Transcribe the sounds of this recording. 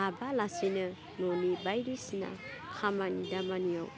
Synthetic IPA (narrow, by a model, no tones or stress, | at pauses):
abalasinɯ | nonibajɾisna̰ | kʰamanidamanija̰w